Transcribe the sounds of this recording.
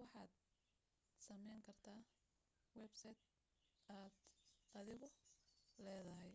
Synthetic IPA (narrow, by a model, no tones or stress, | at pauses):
wɑħɑːd̪̚ | sɐmɛjŋkʰɐrt̪ʰaː | wɛbsɐt̪̚ | aːd̪ɐðɪɣɔlɛːðɐɦɛj